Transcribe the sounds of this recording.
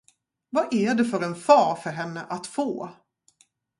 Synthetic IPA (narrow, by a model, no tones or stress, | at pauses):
vaʔæɖɛfœɾɛnfɑːɾfœɾɦɛnːəʔat̪foː